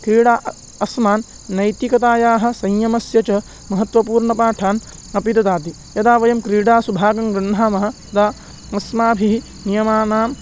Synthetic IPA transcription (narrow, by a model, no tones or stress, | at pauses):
kɾiːɽaːʔ | ɐsmaːnː | ɐjt̪ikɐt̪aːjaːɦɐ̆sɐɲjɐmɐsjɐt͡ʃɐ | mɐɦɐt̪ʋɐpuːɾɳɐpaːʈʰaːn | ɐpid̪ɐd̪aːt̪i | jɐd̪aːʋɐjɐmkɾiːɽaːsubʱaːɡɐŋɡɾɐɳ̤ːaːmɐɦɐ̆ | d̪aː | ɐsmaːbʱi | nijɐmaːnaːm